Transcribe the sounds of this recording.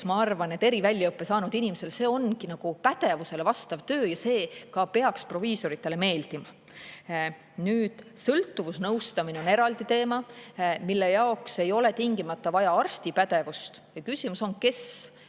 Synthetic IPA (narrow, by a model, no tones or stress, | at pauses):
mɑɑrvɑne̞t̪ːˑe̞ɾivælʲːjɑɤpːˑe̞sɑːnud̪̥inimese̞lse̞ːo̞nkinɑɡ̥upæd̪̥e̞vuse̞le̞vɑst̪ɑvt̪ø̞ːjɑse̞ːkɑpe̞ɑkspro̞viːso̞ɾit̪ːˑe̞le̞me̞ːld̪̥imɑ | nyːd̪̥sɤlt̪ːˑuvusnɤwst̪ɑmineo̞ne̞ɾɑld̪it̪e̞ːmɑmilːe̞jɑokse̞jo̞le̞t̪iŋɡimɑt̪ːɑvɑjɑɑrst̪ipæd̪̥e̞vust̪jɑkysimuso̞nke̞s